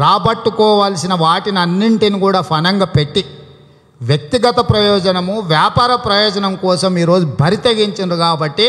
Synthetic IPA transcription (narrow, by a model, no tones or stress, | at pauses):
ɾaːbɐʈːukɔːʋaːlsinɐʋaːʈiniɐnːiɳʈinikuːɽaːpʰɐnɐŋɡaːpe̞ʈːi | ʋjɐk̚t̪iɡɐt̪ɐpɾɐjɔːd͡ʒɐnɐmuʋjaːpaːɾɐpɾɐjɔːd͡ʒɐnɐmkɔːsɐmiːɾo̞ːd͡ʒubʱɐɾit̪eɡiɲt͡ʃind̪ikaːbɐʈːi